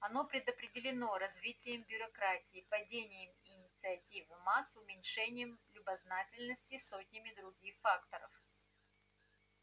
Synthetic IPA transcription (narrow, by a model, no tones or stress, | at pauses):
ɐno̞pɾʲɪd̪əpɾʲɪdʲɪlʲɪno̞ɾɐzvʲitʲɪjəmbʲʊɾɐkɾatʲɪːpɐdʲenʲɪjəmɪnʲɪt̪sɨɐtʲivɨmasʊmʲɪnʲʂɛnʲɪjəmlʲʊbɐznatʲɪlʲnəsʲtʲɪso̞tʲnʲɪmʲɪd̪ɾʊɡʲixfakt̪əɾə̰f